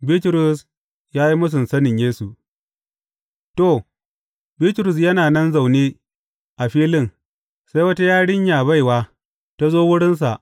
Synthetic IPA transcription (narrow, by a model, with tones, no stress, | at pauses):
biː˦tɾʊ˨s | jaː˦ji˦mʊ˦s̬ʊ˨nsɐ˦nɪ˨ɲjeː˦su˨ | to˨ | biː˦tɾʊ˨s̬jɐ˦naː˨nɐ˦nza˨wneː˦ | ʔa˨ɸiː˦lɪ˦n | sa˦jwɐ˦ta˦jaː˦ɽɪ˦ɲjaː˨βa˦˨jwaː˦ | ta˦zoː˦wʊ˦ɽɪ˦ns̬a̰˨ʔ